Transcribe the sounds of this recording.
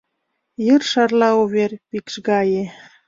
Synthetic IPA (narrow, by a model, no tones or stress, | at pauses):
jərʃɑrlɑuβerpikʃɣɑje